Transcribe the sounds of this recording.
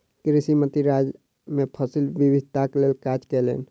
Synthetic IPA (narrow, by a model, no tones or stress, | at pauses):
kɾisimət̪iɾad͡ʒ | mepʰəsilbibid̪ʱt̪aklelkad͡ʒkɛlḛn